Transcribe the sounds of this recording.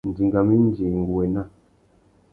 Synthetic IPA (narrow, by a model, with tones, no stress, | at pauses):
n̩˨di˨ŋɡa˨mi˦n˦d͡ʒi˨ŋ˨ɡu˨we˨na˦